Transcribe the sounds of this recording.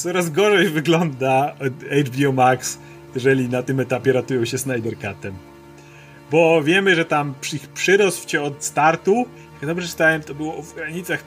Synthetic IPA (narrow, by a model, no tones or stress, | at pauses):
sɔɾazɡɔʐɛjvɘɡlɔnd̪aɛjd͡ʒbʲiɔmaks | jɛʐɛlʲinat̪ɨmɛt̪apʲjɛɾat̪ujɔ̃w̃ɕɛsnajd̪ɛɾkat̪ɛm | bɔvʲjɛmɘʐɛt̪ampʂixpʂɘɾɔsfɕɛɔt̪st̪aɾt̪u | jakd̪ɔmbʐɛt͡ʃɨ̥t̪awɛmt̪ɔbɘwɔvɡɾaɲit̪sax